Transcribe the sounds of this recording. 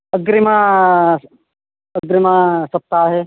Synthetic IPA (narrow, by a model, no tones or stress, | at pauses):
ɐɡɾɪma | ɐɡɾɪmasɐp̚t̪aːɦeː